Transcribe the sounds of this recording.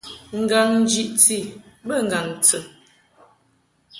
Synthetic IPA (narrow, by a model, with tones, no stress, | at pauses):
ŋ̩˨ɡa˨ŋn̩˦d͡ʒi˦ʔt͡si˦˨bə˦˨ŋ˨ɡa˨ŋt͡sə˨